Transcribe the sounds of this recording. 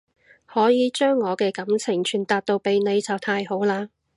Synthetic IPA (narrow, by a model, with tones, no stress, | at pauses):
hɔː˨˥jiː˨˧t͡ʃœː˥ŋːɔː˨˧kɛː˧kɐ˨˥mt͡sʰɪ˨˩ŋt͡ʃʰyː˨˩nt̪aː˨˧t̚t̪o˧wpe˨jne˨˧jt͡sɐ˨wt̪ʰaː˧jho˨˥wlaː˧